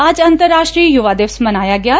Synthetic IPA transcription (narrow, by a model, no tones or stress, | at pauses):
aːd͡ʒɐ̃nt̪əɾːaːʃʈɾiːjuʋaːd̪eːʋsmɐnaːjaɡɐjaː